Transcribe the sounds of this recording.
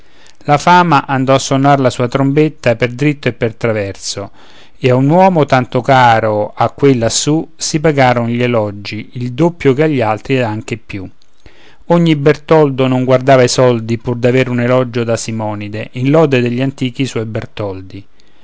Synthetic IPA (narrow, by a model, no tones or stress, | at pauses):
lafaːmaʔand̪ɔasːonːarlasuːat̪ɾombet̪ːaperd̪ɾit̪ːoepːert̪ɾavɛrt̪so | eaunwɔːmot̪ant̪okaːɾoakːwelːasusip̬aɡaːɾonʎelɔd͡ʒiild̪opːjokeaʎːalt̪ɾiaŋk̟epju | oɲːibert̪ɔld̪onoŋɡward̪aːvaisɔld̪ipurd̪aveːɾunelɔd͡ʒod̪asimɔːnid̪eʔinlɔːd̪ed̪eʎːant̪iːk̟iswɔjbert̪ɔld̪i